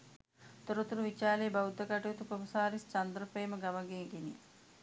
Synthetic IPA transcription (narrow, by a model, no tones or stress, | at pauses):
t̪oɾut̪uɾuʋit͡ʃaːleːbaud̪ːəkaʈujut̪ukomɐsaːɾist͡ʃand̪ɾəpejːməɡaməɡeːɡenḭ